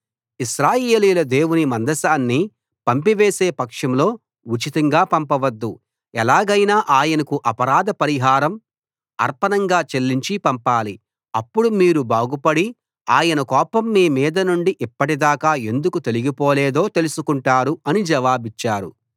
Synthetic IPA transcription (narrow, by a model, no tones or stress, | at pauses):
iʃɾaːjeːliːlɐd̪e̞ːwunimɐnd̪ɐsaːnːi | pɐmpiʋeːseːpɐkʂɐmlo̞ː | ut͡ʃit̪ɐŋɡaːpɐmpɐʋɐd̪ːu | ɛlaːɡɐjnaːʔaːjɐnɐkuʔɐpɐɾaːd̪ɐpɐɾiɦaːɾɐm | ɐ̰ɾpɐnɐŋɡaːt͡ʃe̞lːiɲt͡ʃipɐmpaːli | ɐpːuɽumiːɾubaːɡupɐɽi | a̰ːjɐnɐkɔːpɐmːiːmiːd̪ɐnuɳɖiʔipːɐʈid̪aːkaːe̞nd̪ukut̪e̞liɡipoːleːd̪o̞ːt̪e̞lusukuɳʈaːɾuɐnid͡ʒɐʋaːbit͡ʃːaːɾṵ